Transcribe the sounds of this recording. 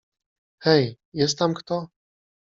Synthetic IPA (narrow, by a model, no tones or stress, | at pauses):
xɛj | jɛst̪t̪amkt̪ɔ